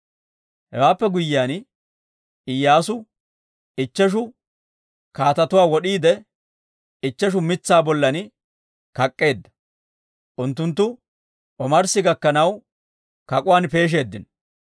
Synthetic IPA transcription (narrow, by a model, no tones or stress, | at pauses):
hɛwaːpːɛɡʊjɪːaːn | ɪjːaːsʊ | ɪt͡ʃːɛʃ̬ʊ | kaːt̪ɐt̪ʊwaːwɔɗiːd̪ɛ | ɪt͡ʃːɛʃ̬ʊmɪt͡sːaːbɔlːɐn | kɐkʼːe̞ːd̪ːɐ̥ | ʔʊnt̪ːʊnt̪̬ːʊ | ʔɔmɐɾsɪɡɐkːɐnɐw | kɐkʼʊwaːnpe̞ːʃ̬e̞ːd̪ːɪn